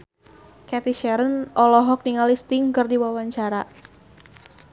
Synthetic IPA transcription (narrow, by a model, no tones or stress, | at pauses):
kɛt̪iʃɛɾənʔɔlɔɦɔk̚niŋalist̪ɪŋkɨrdiwawaɲt͡ʃaɾa